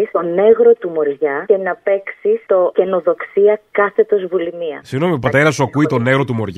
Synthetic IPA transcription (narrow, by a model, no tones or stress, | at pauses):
ist̪o̞ne̞ɣɾo̞t̪umo̞ɾʝɐe̞nɐpe̞ksist̪o̞ce̞no̞ðo̞ksiɐkkɐθe̞t̪o̞zvulimiɐ̰siɣno̞miopɐt̪e̞ɾɐsuɐkuit̪o̞ne̞ɣɾo̞t̪umo̞ɾʝ